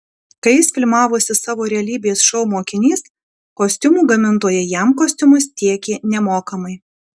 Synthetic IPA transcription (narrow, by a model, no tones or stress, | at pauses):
kɐɪjɪsfʲɪlʲmɑːʋoːsʲɪsɑːʋoːɾʲɛɐlʲiːbʲeːsʃɔʊmoːkʲɪnʲiːs | koːsʲt̪ʲʊmuːɡɐmʲɪnt̪oːjɛjɛˑmkoːsʲt̪ʲʊmʊst̪ʲiɛkʲeːnʲɛmoːkɐmɐɪ